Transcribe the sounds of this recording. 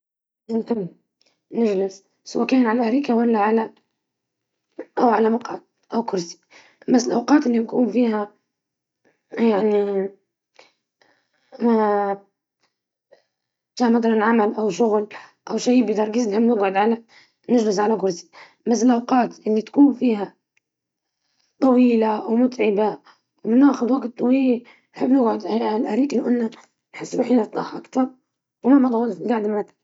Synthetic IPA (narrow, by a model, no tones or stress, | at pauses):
ʔɪnt̪ɪmː | nɪʒlɪs | swaːkæːnʕalaʔɾiːkawalːaʕala | ʔawʕalamʊqʕad̪̚ | ʔawkʊɾsi̥ | basːɪlʔawqɑːt̪ʔɪlːinkuːnfiːha | jaʕni | ma | taːmɑd̪ɑɾˤnʕamalʔawʃʊɣlʔawʃaːjbɪd̪ɑɾˤɡiːznħɪbːnɪɡʕʊd̪ʕala | nɪd͡ʒlɪzʕalaɡʊɾsi̥ | mas̬ɪlʔawqɑːt̪ʔɪlːit̪ḁkuːnfiːha | t̪ˤɑwiːlaʔwmʊt̪ʕɪba | wmɪnʔaːxʊd̪waɡtt̪ˤːɑwiːli | nħɪbːnɪɡʕʊd̪alʔaɾiːklawʔanːa | nħɪsːluħiːnt̪ˤɑːħʔɑkt̪ɑɾˤ | wmamat̪ˤɑwːɑlfɪlɡaʕd̪mʕat̪a